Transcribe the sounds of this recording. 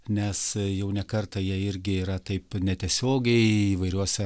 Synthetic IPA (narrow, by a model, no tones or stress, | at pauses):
nʲɛsjɛʊnʲɛkɐrt̪ɐjiɛɪɾʲɡʲɪiːɾɐt̪ɐɪpnʲɛt̪ʲiɛsʲoːɡʲɛɪiʋɐɪɾʲuɔsʲɛ